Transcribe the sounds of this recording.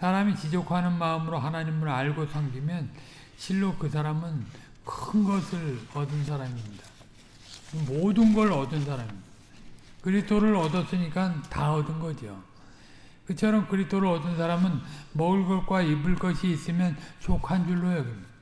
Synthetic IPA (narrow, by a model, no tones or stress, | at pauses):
sʰaɾamit͡ɕid͡ʑokʰanɯnmaɯmɯɾoɦanaɲimɯɾaɭɡosʰʌŋɡimjʌn | ɕʰiɭːokɯs̬ʰaɾamɯn | kɯnɡʌsʰɯɭʌdɯnsʰaɾamimɲida | omodɯnɡʌɾɾʌdɯns̬ʰaɾami̥ | d̥akɯɾistʰoɾɯɾʌdʌs͈ɯɲik͈antaʌdɯnɡʌd͡ʑijo | kɯt͡ɕʰʌɾʌmkɯɾistʰoɾɯɭʌdɯnsʰaɾamɯnmʌɯɭɡʌk͈waibɯɭk͈ʌɕʰiːs͈ɯmjʌnt͡ɕʰokʰand͡ʑuɭːojʌɡimid